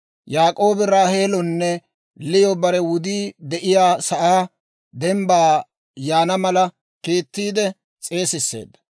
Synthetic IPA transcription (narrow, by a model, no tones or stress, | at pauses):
jaːkʼo̞ːbɪɾaːheːlɔnːɛ | lɪjɔbɐɾɛwʊd̪iːd̪ɛʔɪjaːsɐʔaː | d̪ɛmbaː | jaːnɐmɐlɐ | kiːt̪ːiːd̪ɛ | t͡sʼe̞ːsɪsːḛːd̪ːɐ